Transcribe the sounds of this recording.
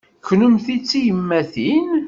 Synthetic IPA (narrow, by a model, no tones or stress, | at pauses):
kːnʊmθit͡sːijəmːæθin